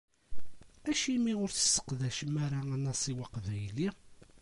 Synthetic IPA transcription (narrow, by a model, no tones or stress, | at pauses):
æʃimiʊɾθə̥sːə̥qðæʃmæɾaænæsˤiwɑqvæjli